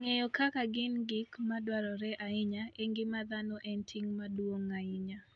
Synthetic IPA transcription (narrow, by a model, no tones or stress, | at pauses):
ŋejɔkakaɡɪnɡɪkmadwaɾɔɾɛʔaɪɲaeŋɡɪmad̪anɔʔɛntʰɪŋmadwoŋaɪɲa